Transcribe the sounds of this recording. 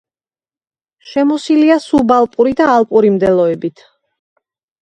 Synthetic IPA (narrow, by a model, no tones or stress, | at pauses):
ʃɛmɔsiliasubalˠpʼuɾid̪aːlˠpʼuɾimd̪ɛlˠɔɛbit̪ʰ